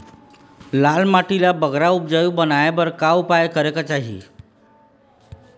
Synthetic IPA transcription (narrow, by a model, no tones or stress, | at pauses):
lalmaʈilabəɡɾaupd͡ʑəjubənajabəɾkaupajkəɾekət͡ɕaɦḭ